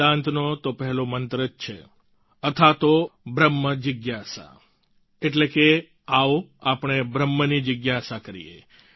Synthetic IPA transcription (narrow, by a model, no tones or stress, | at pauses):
ãnt̪not̪opɛɦɛlomənt̪ɾəd͡ʒt͡ʃʰe | ət̪ʰat̪obɾəmːəd͡ʒəɡjasa̰ | eʈleke | aʋoapɳ̃ebɾəmːənid͡ʒəɡjasakəɾḭḛ